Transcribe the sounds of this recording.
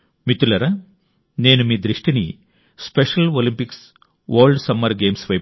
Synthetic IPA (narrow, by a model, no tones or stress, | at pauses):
mit̪ulɐɾɐ | ne̞ːnumiːd̪ɾiʂʈinḭ | speʂɐlolimpiks | ʋɐːɾɭɖsɐmːɐɾɡeːmsʋɐj